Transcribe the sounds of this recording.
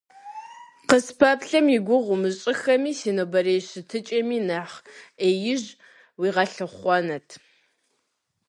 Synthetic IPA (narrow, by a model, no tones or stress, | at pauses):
qəspʰapɬɐmjɪɡʷʊʁʷʊmɨɕʼɪxɐmiːsiːnobɐɾeːɕɨtʰɨt͡ʃʼɐmiːnaːχeːjɪʑ | wiːʁɐɬɨχʷɔnɐtʰ